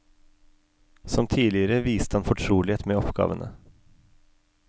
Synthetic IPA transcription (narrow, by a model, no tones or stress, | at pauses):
sɔmt̪ʰiːlɪəɾəʋiːst̪əhɑnfɔʈʰɾuːlɪeːt̪meːɔpɡ̥ɑ̰ːʋənʔə̰